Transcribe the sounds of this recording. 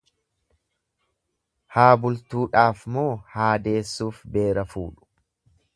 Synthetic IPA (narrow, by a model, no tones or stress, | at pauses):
haːbʊlt̪uːᶑaːfmoːhaːd̪e̞ːsːuːfbe̞ːɾɐfuːᶑʊ̥